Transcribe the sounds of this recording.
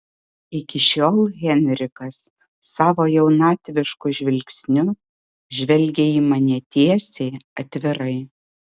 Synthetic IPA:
ɪkʲɪʃʲoːlˠɣʲɛnʲɾʲɪkɐsː | ɑːʋoːjɛʊnɑːt̪ʲʋʲɪʃkʊʒʲʋʲɪlʲksʲnʲʊ | ʒʲʋʲɛlʲɡʲeiːmɐnʲɛt̪ʲiɛsʲeːɐt̪ʲʋʲɪɾɐɪ

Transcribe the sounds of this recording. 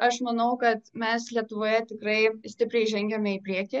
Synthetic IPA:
ɐʃmɐnɐʊkɐt̪mʲɛslʲiɛt̪ʊʋoːjɛt̪ʲɪkɾɐɪsʲt̪ʲɪpʲɾʲɛɪʒʲɛŋʲɡʲɛmʲɛipʲɾʲiɛkʲɪ

